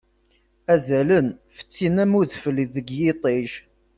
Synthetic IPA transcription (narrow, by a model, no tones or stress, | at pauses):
æzælənfə̥t͡sːinæmʊðfəliðəɡjɪt̪ˤeʒ